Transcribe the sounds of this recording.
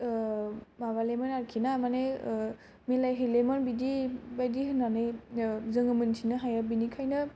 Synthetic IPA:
maβalemanaɾkʰinamane | melajɦɯlemanbidibajdiɦɯnːanɯjzɯŋɯmɯnsʰinɯɦajabinikʰajnɯ

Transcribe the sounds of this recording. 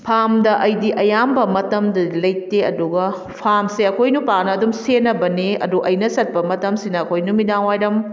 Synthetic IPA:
pʰamdɐʔɐjdiʔɐjambɐmɐtɐmdɐdilɐjteɐduɡɐ | pʰamseɐkʰojnupanɐːdumsenɐbɐniɐ̰duʔɐjnɐsɐt̚pɐmɐtɐmsinɐːkʰojnumidaŋwajɾɐm

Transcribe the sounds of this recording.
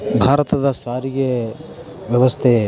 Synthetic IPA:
bʱaːɾɐt̪ɐd̪ɐsaːɾiɡe | ʋjɐʋɐst̪ʰe

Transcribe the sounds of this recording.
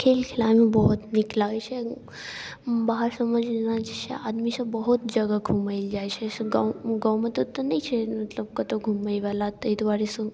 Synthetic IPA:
kʰelkʰɪlamĩbəɦut̪nɪklaʋit͡ʃʰe | baɦaɾsəməd͡ʒnad͡ʒet͡ʃʰḛad̪misɐbəɦut̪̚d͡ʒəɡaɡʱumaild͡ʒajt͡ʃʰeɡaɡəwmət̪ot̪onəit͡ʃʰemət̪ləb̚kət̪oɡʱumaiʋalat̪əid̪ʋaɾisu

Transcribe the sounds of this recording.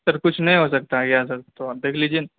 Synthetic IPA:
sɐɾkʊt͡ʃʰnɐɦĩɦosɐk̚t̪aɦɛɡjasɐɾt̪od̪eːkʰlid͡ʒie

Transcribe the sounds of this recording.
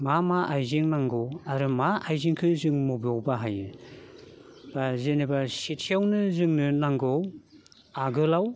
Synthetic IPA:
mamaʔajziŋnaŋɡɔwaɾɯmaajziŋkʰɯzɯŋmɔbjɔwbaɦajɯ | b̥azenebasetʰijawnɯzɯŋnɯnaŋɡɔw | aɡɯlaw

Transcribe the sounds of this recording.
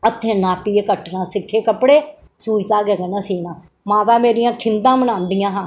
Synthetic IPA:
ət̪ʰːẽːnaːpiːekəʈnãːsɪkʰːeːkəpɽeː | suːit̪aːɡɛːɡənãːsiːnãː | mãːt̪ãːmeːɾɪjãːkʰɪnd̪ãːmənãːnd̪ɪjãːɦãː

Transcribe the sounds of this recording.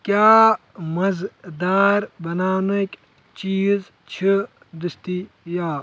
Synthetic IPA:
kjaː | mɐzd̪aːɾbɐnaːnukʲ | t͡ʃiːz | t͡ʃʰi | d̪ist̪i | jaː

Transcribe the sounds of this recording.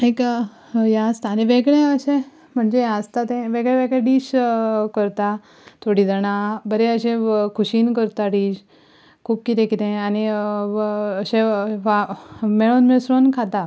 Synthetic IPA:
ek | jãəst̪aniʋeɡɭẽəɕẽ | m̤əɳd͡zẽəst̪at̪ẽʋeɡɭẽʋeɡɭẽɖiːɕkəɾt̪a | t̪ʰoɽid͡zəɽ̃ãbəɾeəɕẽkʰuɕiːnkəɾt̪aʈiːd͡ʑ | kʰuːp̚kit̪ẽkit̪ẽani | əɕẽʋameɭonmeɭsɾonkʰat̪a

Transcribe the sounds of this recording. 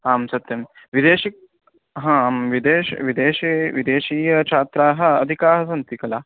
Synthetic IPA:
aːmsɐt̪jɐm | ʋid̪eːʃik̚ | ɦãːmʋid̪eːʃʋid̪eːʃiʋid̪eːʃiːjɐt͡ʃʰaːt̪ɾaːɦɐ̆ɐd̪ʱikaːɦɐs̬ɐnt̪ikɐlaː

